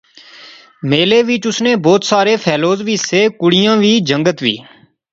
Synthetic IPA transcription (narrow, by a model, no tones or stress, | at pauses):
meːleːʋɪt͡ʃʊsneːbɔːt̪saːɾeːpʰɛːloːzʋiːseːkʊɽɪjãːʋiːd͡ʒəŋɡət̪ʋḭː